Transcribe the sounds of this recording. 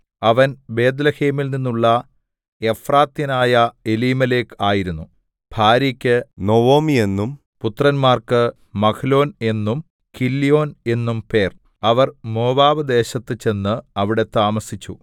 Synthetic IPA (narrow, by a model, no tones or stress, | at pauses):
ɐʋɐnbe̞ːd̪lɐheːmilninːuɭːɐ | e̞fraːt̪jɐnaːjɐe̞liːmɐle̞ːkaːjiɾunːu | b̥ʱaːɾikʲːɨno̞ʋoːmie̞nːum | put̪ːrɐnmaːrkɨ | mɐkʰɐlo̞ːne̞nːum | kilːijo̞ːne̞nːumpe̞ːr | ɐʋɐrmo̞ːbaːbɨd̪e̞ːɕɐt̪ːɨt͡ɕe̞nːɨɐʋiɽe̞t̪aːmɐsit͡ɕːṵ